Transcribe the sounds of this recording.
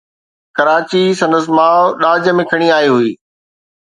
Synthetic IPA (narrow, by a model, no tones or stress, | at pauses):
kɐɾaːt͡ɕisɐ̃nd̪əs̬ɪmãːɗaːd͡ʑə̆mẽkʰɐɽ̃iaːɦiɦuiː